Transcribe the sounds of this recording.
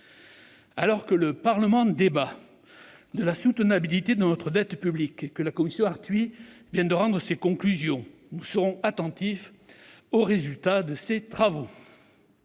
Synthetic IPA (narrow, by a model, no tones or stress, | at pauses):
a̰lɔʁkələpaʁləmɑ̃d̪eba | d̪əlasut̪ənabilit̪ed̪ənɔt̪χəd̪ɛt̪pyblikekːəlakɔmisjɔ̃aʁt̪ɥivjɛ̃d̪əʁɑ̃d̪ʁəsekɔ̃klyzjɔ̃ | nusəʁɔ̃at̪ɑ̃t̪if | oʁezylt̪ad̪əset̪χavo